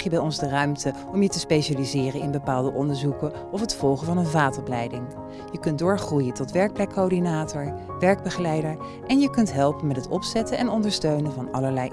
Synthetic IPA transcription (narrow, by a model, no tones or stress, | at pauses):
χjəbɛjɔnzdərœɥmtə | ɔmjətəspejʃaːlizɪːrənɪnbəpaːlˠdəʔɔndəɹzukə | ɔfɦətfɔlˠχəvɑnənvaːtɔplɛjdɪŋ | jəkɵntdʊːɹχrujətɔtʋɛɹk̚plɛkːodinaːtɔɹ | ʋɛɹɡ̚bəχəlɛjdəɹ | ʔɛnjəkɵntɦɛlˠpənmɛtɦətɔpsɛtənʔɛnɔndəɹstøɥnənvɑnɑləɹlɛj